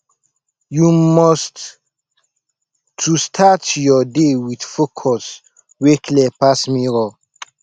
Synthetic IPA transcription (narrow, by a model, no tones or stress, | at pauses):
jumɔst | tʰːustʰatjɔdewidfokʰɔs | wekʰlɛpasmiɾɔ